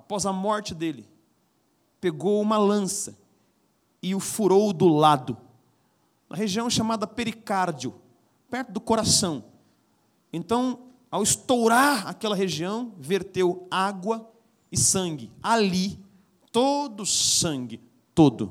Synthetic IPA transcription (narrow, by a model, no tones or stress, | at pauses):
apɔzɐmɔɾt͡ʃɪd̪elɪ | peɡowũmɐlɐ̃sɐ | ɪʊfuɾowd̪ʊlad̪ʊ | nʔɐ̰ɦeʒiɐ̃w̃ʃamad̪ɐpeɾikaɾd͡ʒiʊ | pɛɾt̪ʊd̪ʊkoɾasɐ̃w̃ | ẽnt̪ɐ̃w̃ | awɪst̪owɾaɾa̰kɛlɐɦeʒiɐ̃w̃veɾt̪ewaɡwɐ | ɪsɐ̃ŋɡɪali | t̪od̪ʊsɐ̃ŋɡɪ | t̪od̪ʊ̰